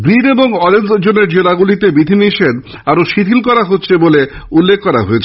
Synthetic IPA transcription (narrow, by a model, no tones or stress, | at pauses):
bɾid̪eboŋɔɾensd͡ʑoneɾd͡ʑelaɡulit̪ebid̪ʱiniʃed̪ | aɾoʃit̪ʰilkɔɾaɦotːɕʰeboleulːekʰkɔɾaɦoet͡ɕʰe